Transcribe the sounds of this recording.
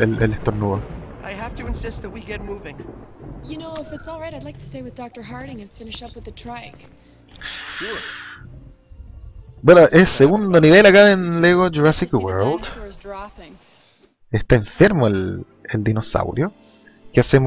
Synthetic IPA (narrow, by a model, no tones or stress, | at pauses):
elelest̪oɾnuoʔaɪɦæftɨɨ̃nsɪst̪̚ðɨt̚wiɡɛt̚muvɪ̃ŋjɨnoʊɪfɨtsɔlˠɹaɪɾaɪdˡlaɪk̚tʰɨ̥steɪwɨðdɑk̚tə˞ɦɑɹɾɪ̃ŋɨ̃nfɪ̃nɨʃʌpwɨðɨtʰɹ̥æɪk | ʃʊɹ | bwenoʔesːeɣund̪oniβelakaðenleɣod͡ʒuɾasikwɛɹld̪zdɹɑpɪ̃ŋ | est̪aẽɱfeɾmoel | eld̪inosa̰wɾjo | keasem